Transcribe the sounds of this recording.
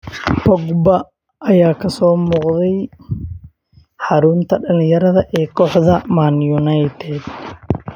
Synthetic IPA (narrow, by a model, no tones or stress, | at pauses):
bɔɡbɐ | ɐjaːkʰɐsɔːmɔːqðɛj | ħɑɾʊnt̪ʰɐɖɐlɪ̃jɐɾɐðɐʔɛːkʰɔːħðɐmanjʊnajt̪ʰɛd̪